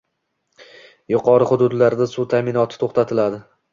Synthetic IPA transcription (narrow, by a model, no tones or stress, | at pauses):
jʊqʰɒɾɪχʊd̪ʊd̪laɾd̪asut̪ʰamɪnɒt̪ʰɪ̥t̪ʰoχt̪at̪ʰɪlad̪ɪ